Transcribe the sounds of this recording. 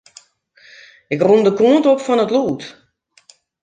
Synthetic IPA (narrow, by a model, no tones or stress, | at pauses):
ɪkrundəkuəntopfɔnətluːt